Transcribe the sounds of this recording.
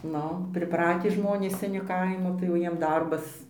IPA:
ˈnʊ pʲrʲɪˈprɑːtʲiː ˈʒmoːnʲeːs sʲɛˈnʲɪ ˈkɐɪmoː tɐɪ jɛʊ ˈjiɛm ˈdɐrbɐs

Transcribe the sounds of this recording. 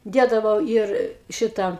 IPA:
ˈdʲeːdɐʋɐʊ ˈiːr ˈʃʲɪtɐ

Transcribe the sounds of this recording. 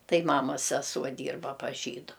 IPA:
ˈtɐɪ ˈmɑːmɐs sʲɛˈsuɔ ˈdʲiːrbɐ pɐs ˈʒʲiːdʊ

